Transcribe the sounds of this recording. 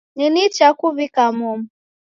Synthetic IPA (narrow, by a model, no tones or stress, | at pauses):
ninit͡ʃakuβikamɔm